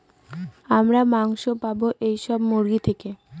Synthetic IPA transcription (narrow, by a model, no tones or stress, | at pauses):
amɾamaŋʃopaboʔejʃɔbmoɾɡit̪ʰeke